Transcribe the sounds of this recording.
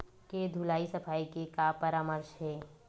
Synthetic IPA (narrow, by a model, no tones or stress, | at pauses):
ked̪ʱulaːisɐpʰaːikekapɐɾaːməɾʃɦɛː